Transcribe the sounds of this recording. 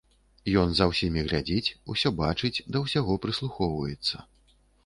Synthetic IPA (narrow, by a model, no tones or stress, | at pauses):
jɔnzɐwsʲimʲiɣlʲad͡zʲit͡sʲusʲɔbat͡ʂɨt͡sʲd̪ɐwsʲaɣɔpɾɨslˠuxɔwvɐjɛt̪sːɐ